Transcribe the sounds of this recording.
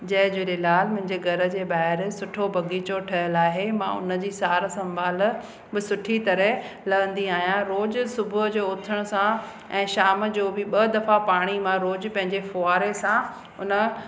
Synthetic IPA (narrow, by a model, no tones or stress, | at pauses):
d͡ʑɐɦɪ̃d͡ʑoːɗelaːlmʊ̃ɦɪ̃ɲd͡ʑeɡʱɐɾə̆d͡ʑeːɓaːɦɪɾsʊʈʰobʱɐɡiːt͡ɕoʈʰɐɦəlaːɦemã̰ʊ̰nə̆d͡ʑiːsaːɾsɐ̃mbʱaːl̆ | bɪsʊʈʰit̪ɐɾə | lɐɡə̃nd̪iaːɦijãɾoːd͡ʑʊ̆sʊbʱʊɦd͡ʑoːʊt̪ʰəɽ̃ʊsã | ɛ̃ːʃaːməd͡ʑoːbɪɓɐd̪ɐfapaːɽ̃imãɾoːd͡ʑpɐ̃ɦɪ̃ɲd͡ʑefoːaːɾesã | ʊnə̆